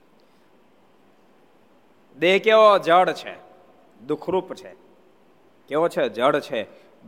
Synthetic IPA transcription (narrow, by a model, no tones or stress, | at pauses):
d̪eɦkeʋod͡ʒəɽt͡ʃʰḛ | d̪ukʰɾupt͡ʃʰḛ | keʋot͡ʃʰed͡ʒəɽt͡ʃʰe